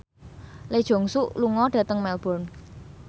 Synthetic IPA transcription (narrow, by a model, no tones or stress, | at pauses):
led̥ʒ̥ɔ̤ŋsuʔluŋɔɖ̥ä̤t̪əŋmɛlb̥ɔ̤n